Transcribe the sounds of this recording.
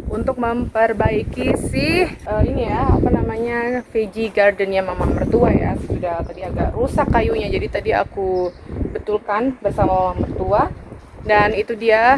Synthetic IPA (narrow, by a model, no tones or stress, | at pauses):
unt̪ʊk̚məmpərbaikisɪhəinijaapanamaɲafed͡ʒiɡardənjaŋmamaŋmərt̪uaja̰ssudaht̪adiaɡa̰ʔrusakːajuɲad͡ʒadit̪adia̰ku | bət̪ulkanbərsamamamaŋmərt̪ua | danit̪udia